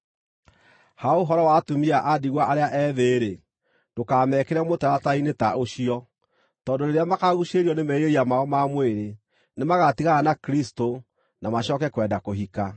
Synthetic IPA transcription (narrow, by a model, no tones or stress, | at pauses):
haoɦɔɾɔwatomiaʔadiɣwaʔaɾeaʔɛːðeːɾe | d̥okamɛːkɛɾɛmotaɾatainetaoɕiɔ | tɔːndoneɾeamakaɣuɕeɾiɔnemɛjeiamaɔmamweɾe | nemaɣatiɣaɣanakɾisto | namaɕɔːkɛkwɛndakoɦika